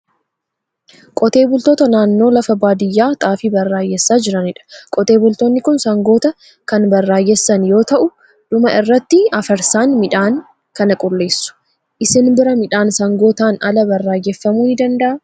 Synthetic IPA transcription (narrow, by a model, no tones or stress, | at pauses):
kʼɔt̪e̞ːbʊlt̪o̞ːt̪ɐnaːnːo̞ːlɐfɐbaːd̪ɪjːaːt̪ʼaːfɪbɐrːaːjɛsːaːd͡ʒɪɾɐnɪᶑɐ̥kʼɔt̪e̞ːbʊlt̪onːɪkʊnsɐŋɡo̞ːt̪ɐ | kɐnbɐrːaːjɛsːɐnjo̞ːt̪ɐʔʊ | ᶑ̥ʊmɐʔɪrːɐt̪ːɪɐfɐɾsaːnmɪᶑaːŋ | kɐnɐkʼʊlːe̞ːsːʊ̥ | ʔɪsɪnbɪɾɐmɪᶑaːnsɐŋɡo̞ːt̪aːnɐlɐbɐrːaːjɛfːɐmuhɪd̪ɐnd̪ɐʔɐ